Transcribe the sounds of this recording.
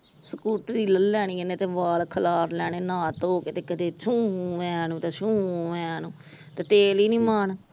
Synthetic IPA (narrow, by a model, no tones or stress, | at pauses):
səkuːʈd̪iːləlːɛːɽ̃iːenẽːt̪eːʋaːlkʰəlaːɾlɛːɽ̃eːnãːt̪oːkeːt̪eːkəd̪eːt͡ʃʰũːʋɛ̃ːnũːt̪eːt͡ʃʰũːʋɛ̃ːnũː | t̪eːt̪eːliːnĩːmaːɳ